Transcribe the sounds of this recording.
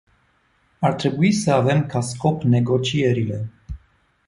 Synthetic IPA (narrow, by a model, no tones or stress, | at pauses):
ɑɾt̪ʰɾibujisəavɛmkʰaskɔpnɛɡɔt͡ʃʰiɛɾilɛ